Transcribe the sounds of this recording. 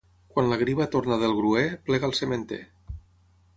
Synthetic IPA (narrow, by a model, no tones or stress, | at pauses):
kwanlaɣ̞ɾiβat̪ornaðelˠɣɾueplɛɣalˠsement̪ḛ